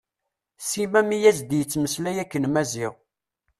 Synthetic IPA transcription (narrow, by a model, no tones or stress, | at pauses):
simæmijæzd̪jət͡sːməslæjækːənmæziʁ